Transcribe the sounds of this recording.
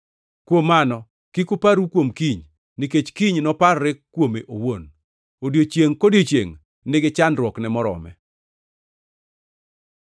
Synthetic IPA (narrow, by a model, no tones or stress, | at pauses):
kwomːanɔ | kikupaɾukwomkiɲ | nɪket͡ʃkiɲnɔpaɾːɛkːwomeʔowon | odjot͡ʃjeŋkodjot͡ʃjḛŋ | nɪɡɪt͡ʃanɾwɔknɛmɔɾɔ̰mɛ̰